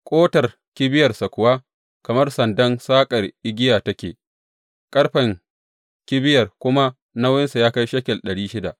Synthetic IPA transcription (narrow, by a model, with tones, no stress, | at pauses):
kʼoː˦tɐ˨r | kʲɪ˦bɪ˦jɐ˨rsa˨kʷʊ˨waː˦ | kɐ˨mɐ˦rsɐ˨ndɐ˦nsaː˦kʼɐ˨rʔɪ˦ɡʲɪ˦jaː˨tɐ˦kʲḛː˨ | kʼɐ˦ɽɸɐ˨ŋ | kʲɪ˦bɪ˦jɐ˨rkʷʊ˦ma˦ | na˦wjɪ˦nsa˨jaː˦ka˦jʃɐ˦kʲɛ˨lɗɐ˨ɽiː˦ʃɪ˦da̰˨ʔ